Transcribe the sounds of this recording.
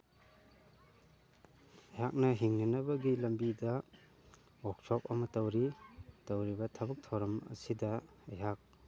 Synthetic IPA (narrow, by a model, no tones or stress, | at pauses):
ɐjɦak̚nɐɦiŋnɐnɐbɐɡilɐmbidɐ | ɔk̚sɔp̚ɐmɐtɐwɾitɐwɾibɐtʰɐbɐk̚tʰɐwɾɐmɐ̰sidɐ | ɐjɦak̚